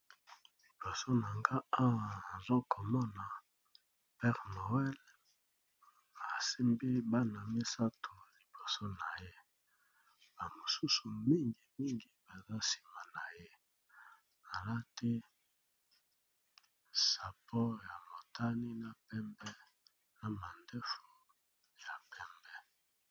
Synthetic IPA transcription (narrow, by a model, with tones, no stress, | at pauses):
li˨bo˨so˦na˨ŋɡa˦a˦wa˨a˨zo˦ko˨mɔ˦na˨ | pɛ˦ʁno˨ɛ˦l | a˨se˦mbe˦ba˦na˨mi˦sa˦to˨li˨bo˨so˦na˨je˦ | b̥a˨mo˨su˦su˨mi˦ŋɡi˨mi˦ŋɡi˦ba˨za˦si̥˨ma˨na˨je˦ | a˨la˦tɛ˦ | sa˨pɔ˦ja˨mo˨tʰa˦ni˦na˨pɛ˦mbɛ˦ | na˨ma˨ndɛ˦fo˨ | ja˨pɛ˦mbɛ˦